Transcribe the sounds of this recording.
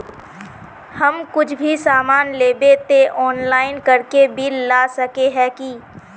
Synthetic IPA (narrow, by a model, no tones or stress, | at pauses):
hɐmkʊt͡ʃʰbʱisaːmaːnleːbet̪eʔɔːnlaːɪnkɐɾkebʱilaːsɐkeɦɛːki